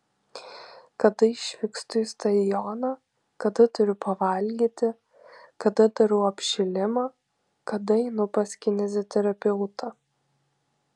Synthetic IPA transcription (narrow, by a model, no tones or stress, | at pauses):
kɐd̪ɐɪʃʲʋʲɪkst̪ʊist̪ɐɪjɔnɑ | kɐd̪ɐt̪ʊɾʲʊpɐʋɐlʲɡʲiːt̪ʲɪ | kɐd̪ɐd̪ɐɾuːɐpʲʃʲɪlʲɪmɑː | kɐd̪ɐɛɪnʊpɐsʲkʲɪnʲɛzʲot̪ʲɛɾɐpʲɛʊt̪ɐ